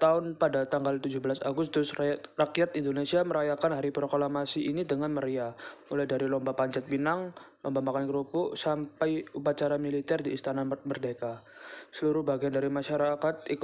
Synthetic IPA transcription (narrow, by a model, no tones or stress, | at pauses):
t̪aʊnpadat̪aŋɡalt̪ud͡ʒʊhbəlasa̰ɡʊst̪ʊsrakijat̪indonesiaməɾajakanɦaɾipɾoklamasiʔinidəŋanməɾiaolahdaɾilɔmbapaɲt͡ʃat̪̚binaŋlɔmbamakankəɾupʊʔsampajupat͡ʃaɾamilit̪ɛrdiːst̪anamərdeka | səluɾʊhbaɡiandaɾimaʃaɾakat̪̚ik